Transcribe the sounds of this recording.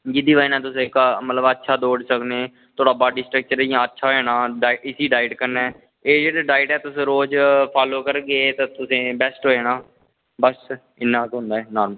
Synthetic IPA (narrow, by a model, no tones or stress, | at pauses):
d͡ʒɪd̪iːʋaːinãːt̪ʊsẽːkmət̪ləbətːʃʰaːd̪oːɖsəkneː | t̪ʰoːɽaːbaːɖiːsʈɾək̚t͡ʃəɾjãːətːʃʰaːɦeːnaːɖaːɪɪsiːɖaːɪɖkəɾnɛː | eːd͡ʒeːɽaːɖaːɪɖɛːt̪ʊsẽːɾoːd͡ʒpʰaːloːkəɾɡet̪aːt̪ʊsẽːbɛːsʈɦoːeːnaː | bəs | ɪnːãːkɦʊ̃nd̪aːɦɛːnaːɾm